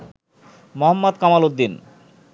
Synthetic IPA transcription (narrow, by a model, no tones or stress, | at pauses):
mɔɦɔmːɔd̪kamalod̪ːin